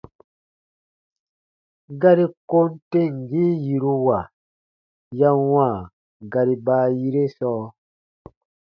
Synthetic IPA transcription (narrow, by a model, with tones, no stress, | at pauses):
ɡa˦ɾi˦ko˦n˦te˦˨ŋ˨ɡi˦ji˨ɾu˧wa˨ | ja˦wãː˦˨ | ɡa˨ɾi˨baː˦ji˦ɾe˦sɔː˦